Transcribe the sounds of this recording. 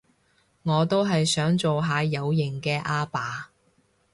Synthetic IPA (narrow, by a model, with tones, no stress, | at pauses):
ŋɔː˨˧t̪o˥wɦɐ˨jsœː˨˥ŋt͡so˨wɦaː˨˧jɐ˨˧wjɪ˨˩ŋkɛː˧ʔaː˥paː˨˥